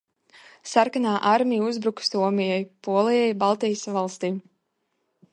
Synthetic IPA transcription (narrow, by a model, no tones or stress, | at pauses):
saɾkanaːʔaɾmijuzbɾukst̪uɔmijajpuɔlˠijajbalˠt̪ijəsvalˠst̪iː